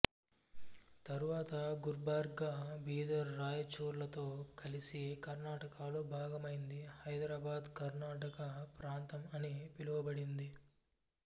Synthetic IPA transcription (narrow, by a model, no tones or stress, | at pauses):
t̪ɐɾuʋaːt̪ɐɡuɾbaːɾɡɡaːbiːd̪ɐɾːaːjɐt͡ʃoːɾlɐt̪o̞ːkɐlisikɐɾnaːʈɐkaːloːbʱaːɡɐmɐjind̪ihɐjd̪ɾaːbaːd̪kɐɾnaːʈɐkɐpɾaːnt̪ɐmɐnipiluʋɐbɐɽind̪i